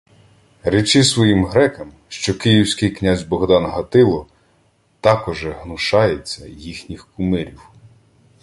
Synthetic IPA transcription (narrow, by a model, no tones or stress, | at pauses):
ɾɛt͡ʃɪsʋɔjimɦɾɛkɐm | ʃt͡ʃɔkɪjiwsʲkɪjknʲazʲbɔɦd̪ɑnɦɐt̪ɪlˠɔ | t̪ɑkɔʒɛɦnʊʃɑjet͡sʲːɐ̰jixnʲixkʊmɪɾʲiw